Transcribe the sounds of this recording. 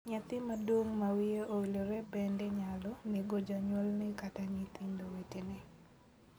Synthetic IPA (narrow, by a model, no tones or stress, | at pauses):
ɲɛt̪ɪmadwoŋmawieʔowiloɾebɛndɛɲalɔneɡod͡ʒaɲwɔlnɛkataɲit̪ɪndowetenɛ